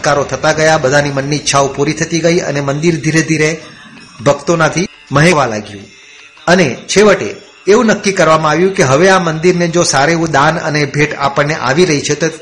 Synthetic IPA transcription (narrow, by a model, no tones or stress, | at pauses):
kaɾot̪ʰət̪aɡəjabəd̪ʱanimənːitːʃʰaopuɾit̪ʰət̪iɡəiə̰nemənd̪iɾd̪ʱiɾed̪ʱiɾe | bʱəɡt̪onat̪ʰi | məɦeʋala̰ɡjṵ̃ | ənet͡ʃʰeʋəʈḛː | ʋũnəkːikəɾʋamãaʋjũkeɦəʋeamənd̪iɾned͡ʒosaɾeũd̪anə̰nebʱeʈa̰pəɳneʔa̰ʋiɾəɦit͡ʃʰet̪o